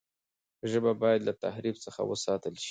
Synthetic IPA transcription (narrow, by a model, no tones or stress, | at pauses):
ʒəbabɑjad̪lat̪ahɾibsəxa̰wə̰sɑt̪əlʃi̥